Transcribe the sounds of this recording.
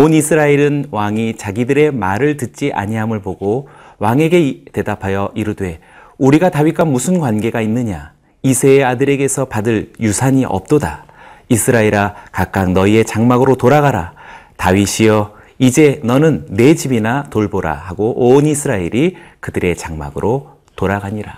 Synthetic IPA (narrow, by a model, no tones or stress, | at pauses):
onisʰɯɾaeɾɯnwaŋit͡ɕaɡidɯɾe̞maɾɯɭtɯt̚t͡ɕ͈iʔa̰ɲiɦamɯɭpoɡo | waŋe̞ɡe̞te̞dapʰajʌʔiɾɯdwe̞ | uɾiɡatawik͈amusʰɯnkwanɡe̞ɡainːɯɲa | isʰeadɯɾe̞ɡe̞sʰʌpadɯɭjusʰaɲiʔʌ̰p̚t͈oda | isʰɯɾaeɾakak͈̚aŋnʌie̞t͡ɕaŋmaɡɯɾotoɾaɡaɾatawiɕʰijʌ | id͡ʑe̞nʌnɯnːe̞d͡ʑibinatoɭboɾa̰haɡoʔonisʰɯɾaeɾikɯdɯɾe̞t͡ɕaŋma̰ɡɯɾʔo | toɾaɡaɲiɾa